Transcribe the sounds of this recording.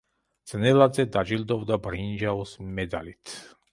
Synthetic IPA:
d̪z̥nɛlad̪zɛd̪ad͡ʒild̪ɔvd̪abɾind͡ʒaɔsmɛd̪a̰lit̪ʰ

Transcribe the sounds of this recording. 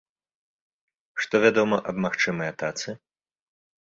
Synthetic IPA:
ʂt̪ɔvʲad̪ɔmɐʔɐbmaxt͡ʂɨmɐjɐt̪at̪sɨ

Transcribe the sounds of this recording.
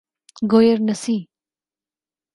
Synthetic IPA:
ɡoːjəɾnɐsiː

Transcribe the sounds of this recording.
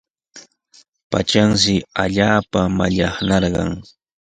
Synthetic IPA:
pa̰t͡ʃanʃɪaʎaːpamaʎɑχnɑɾɢɑ̰ŋ

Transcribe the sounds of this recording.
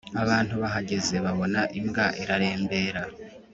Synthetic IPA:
aβaːnhuβaɦaɟe̞ze̞βaβo̞naʔimɡaʔiɾaɾe̞ːmbe̞ːɾa

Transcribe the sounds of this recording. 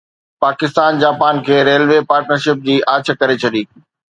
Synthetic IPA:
paːkɪst̪aːnd͡ʑaːpaːnkʰeːɾeːlʋepaːɾʈnəɾʃɪp̚d͡ʑiːʔaːt͡ɕ̆ʰkɐɾet͡ɕʰɐɗiː

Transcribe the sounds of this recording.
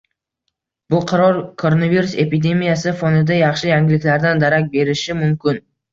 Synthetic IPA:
b̥ʊqʰɑɾɒɾkʰo̞ɾonaviɾuse̞pid̪e̞mijasɪfonɪd̪ajɑχʃɪjaŋɡʲɪlɪkʲlaɾd̪and̪aɾakʲbe̞ɾɪʃɪmʊmkʲɪn

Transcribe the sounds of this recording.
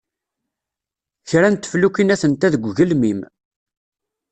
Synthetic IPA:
çɾænt̪ːflukinæθənt̪æðəɡʷʝəlmim

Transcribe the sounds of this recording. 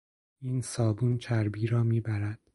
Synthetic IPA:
iːnsɒːbunt͡ʃʰæɾbiːɾɒːmiːbæɾæd̪̥

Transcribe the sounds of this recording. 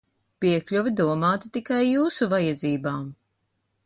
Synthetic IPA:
piɛklʲuvid̪uɔmaːt̪i̥t̪ikajːuːsuvajɛd̪ziːbaːm

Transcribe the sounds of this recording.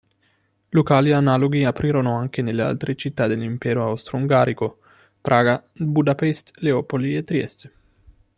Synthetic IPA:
lokaːlianaloɡiapɾʔiːɾonoaŋk̟enelːea̰lt̪ɾet͡ʃit̪ːad̪elːimpɛːɾoawst̪ɾouŋɡaːɾiko | pɾʔaːɡabud̪apɛst̪leopoliet̪ːɾiɛ̰st̪

